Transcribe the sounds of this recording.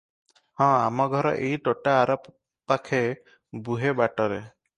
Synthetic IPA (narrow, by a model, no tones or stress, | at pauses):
hɔ̃amɔɡʱɔɾɔ̰ʔeiʈɔʈaːɾɔp | t̪akʰe | buɦebaʈɔɾe